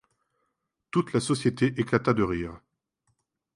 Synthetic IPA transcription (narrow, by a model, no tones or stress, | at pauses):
t̪ut̪lasɔsjet̪eʔeklat̪ad̪əʁiːʁ